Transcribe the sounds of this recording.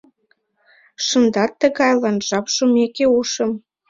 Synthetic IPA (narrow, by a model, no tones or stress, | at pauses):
ʃə̆nd̪ɑt̪ːəɣɑjlɑnʒɑpʃomekeuʃə̆m